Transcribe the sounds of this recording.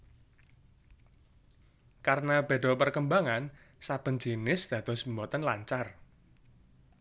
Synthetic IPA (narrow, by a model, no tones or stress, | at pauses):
karnab̥e̤dɔpərkəmbaŋan | sab̥ə̤nd͡ʒenɪsd̪̥ä̤d̪̥ɔ̤simbɔt̪ənla̰ɲt͡ʃar